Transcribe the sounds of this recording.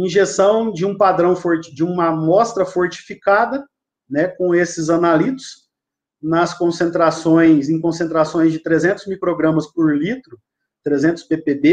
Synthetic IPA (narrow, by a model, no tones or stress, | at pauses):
ĩʒesɐ̃w̃d͡ʒɪũpad̪ɾɐ̃w̃foɾd͡ʒɪũmɐmɔst̪ɾɐfoɾt͡ʃi̥fikad̪ɐ | nɛkõesɪzɐnalit̪ʊ̥s | nɐskõsẽnt̪ɾasõj̃sẽj̃kõsẽnt̪ɾasõj̃zd͡ʒɪt̪ɾezẽnt̪ʊzmikɾoɡɾɐ̃mɐspoɾlit̪ɾʊ | t̪ɾezẽnt̪ʊ̥spepebe